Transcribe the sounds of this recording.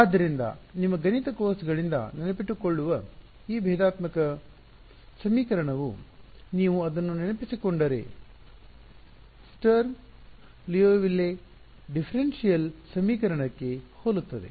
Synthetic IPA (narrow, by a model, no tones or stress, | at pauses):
aːd̪ːɐɾind̪ɐ̰nimːɐɡɐnit̪ɐkoːsɡɐɭind̪ɐ̰nenɐpiʈːukoɭːuʋɐ | iːbʱɛːd̪aːt̪mɐkɐ | sɐmiːkɐɾɐɳɐʋuniːʋuɐd̪ɐnːuninɐpisikoɳɖɐɾḛ | sʈɐɾ | lijoːʋilːe | ɖipʰɐɾensijɐlsɐmiːkɐɾɐɳɐkːe̞hoːlut̪ːɐd̪e̞̰